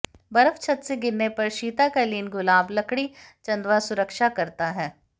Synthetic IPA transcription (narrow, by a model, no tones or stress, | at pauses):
bɐɾəft͡ʃʰɐt̪seɡɪɾːepɐɾʃiːt̪akaliːnɡʊlaːblɐkɽit͡ʃɐ̃nd̪ʋasʊɾəkʃakɐɾt̪aɦɛː